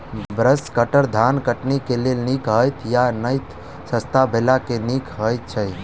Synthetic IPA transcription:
bɾəskəʈəɾd̪ʱankəʈnikelelnikɦəjt̪ʰjanəjt̪ | səst̪abʱelakenikɦəjt̪̚t͡ʃʰəj

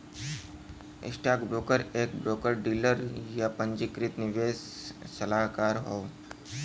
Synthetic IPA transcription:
ɪ̰sʈaːkbɾoːkəɾeːk̚bɾoːkəɾɖiːləɾjapə̃ɲd͡ʒikɾɪt̪nɪʋeːsːəlaːɦkaːɾɦoː

